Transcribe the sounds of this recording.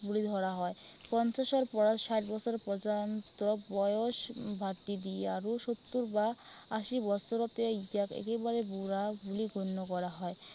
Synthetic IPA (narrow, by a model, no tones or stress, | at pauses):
bulid̪ʱɔɾaɦɔe | pɔnt͡ɕaʃɔɾpɔɾaʃaʈbɔt͡ɕʰoɾpɾɔd͡ʑant̪ɾɔbɔjoʃbʱaʈːid̪ieaɾuʃot̪ːuɾba | aʃibɔt͡ɕʰoɾot̪eid͡ʑakḛkebaɾebuɾabuliɡʱonːokɔɾaɦɔe